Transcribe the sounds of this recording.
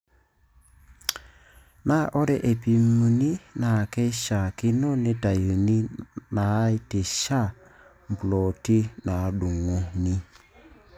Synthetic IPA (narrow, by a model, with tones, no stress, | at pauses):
na˦ʔɔ˦ɾɛ˦˨ʔe˨pi˨mu˨ni˦na˨kɛ˦ʃa˨kɪ˦no˦ne˦ta˨ju˨ni˦na˨˦i˦te˨ʃa˦˨ | m˨blɔ˨ti˦na˨ɗu˨ŋo˦ni˦